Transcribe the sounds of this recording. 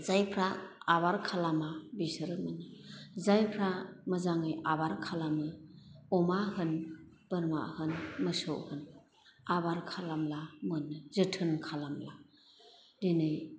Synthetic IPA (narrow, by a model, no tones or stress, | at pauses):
zajpʰɾaːβaɾkʰalamabisɯɾɯmɯnɯzajpʰɾaməzaŋɯjabaɾkʰalamɯɔmahɯn | b̥ɯɾma̰hɯnməsowʔhɯn | abaɾkʰalamlamɯnːɯzɯtʰɯnkʰalamla | dinɯj